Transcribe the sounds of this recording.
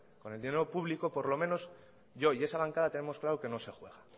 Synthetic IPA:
ko̞ne̞ld̪ine̞ɾopuβliko̞po̞ɾlo̞mẽ̞no̞s | ʝo̞ie̞saβaŋkaðat̪e̞ne̞mo̞sklaɾoke̞no̞se̞xwe̞ɣ̞a

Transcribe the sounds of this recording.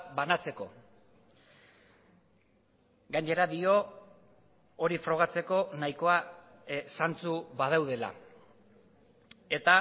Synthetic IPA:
banat͡se̞ko̞̰ | ɡajɲe̞ɾaðio̞ | ɾifɾo̞ɣ̞at͡se̞ko̞najko̞a | sant͡suβað̞awð̞e̞la̰ | e̞t̪a

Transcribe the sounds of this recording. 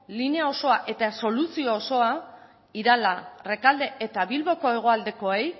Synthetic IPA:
lineao̞so̞aʔe̞t̪aso̞lusiooso̞a | iɾalare̞kald̪e̞ʔet̪aβilβo̞ko̞e̞ɣ̞o̞ald̪e̞ko̞ej

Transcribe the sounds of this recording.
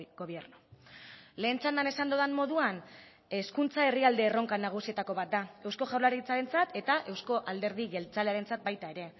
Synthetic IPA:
ɡoβje̞ɾnu | le̞ːnt͡sand̪ane̞sand̪oðanmo̞ðuan | e̞skunt͡sae̞riald̪e̞ːro̞ŋkanaɣ̞usie̞t̪ako̞βat̪̚d̪ae̞wsko̞ʝawɾlaɾit͡saɾe̞nt͡sat̪e̞t̪aʔe̞wsko̞ʔald̪e̞ɾð̞iɣe̞lt͡sale̞aɾe̞nt͡sat̪̚bajt̪ae̞ɾe̞

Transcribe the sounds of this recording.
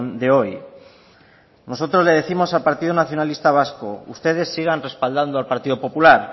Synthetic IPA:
nd̪e̞o̞j | no̞sot̪ɾo̞zle̞ð̞eθimo̞salpaɾt̪iðonaθjonalist̪aβ̞askoṵst̪e̞ð̞e̞sːiɣ̞anre̞spald̪and̪oalpaɾt̪iðopo̞pulaɾ

